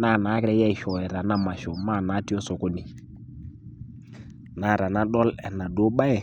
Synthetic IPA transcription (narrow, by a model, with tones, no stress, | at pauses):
na˦˨naː˨˦kɾɛ˦jɛ˦i˨ʃɔ˨ɛ˨ɾa˨na˦ma˨ʃɔ˨ma˦˨na˨˦ti˦ɔ˦so˨ko˦ni˨ | na˨ɾa˨na˦ɗɔ˦lɛ˨na˨do˦ɓa˦ɛ˨